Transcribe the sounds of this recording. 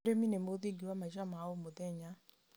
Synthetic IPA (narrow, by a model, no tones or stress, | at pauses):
ɾeminemod̪iɡiwamaʃamaomod̪ɛɲa